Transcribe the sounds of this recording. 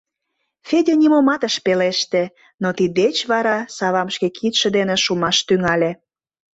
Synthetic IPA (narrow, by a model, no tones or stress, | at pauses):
fʲedʲenʲimomɑt̪əʃpeleʃt̪ĕ | not̪id̪et͡ɕβɑɾɑsɑβɑmʃkekʰit̪ʃĕd̪eneʃumɑʃt̪yŋɑlʲĕ